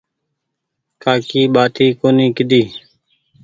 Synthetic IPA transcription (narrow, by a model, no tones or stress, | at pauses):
kaːkiːɓaːt̪iːkoːniːkɪd̪iː